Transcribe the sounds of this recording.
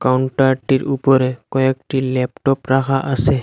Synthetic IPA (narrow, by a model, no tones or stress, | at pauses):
kawɳʈaɾʈiɾupɔɾekɔɛkʈilɛp̚ʈɔpɾakʰaʔase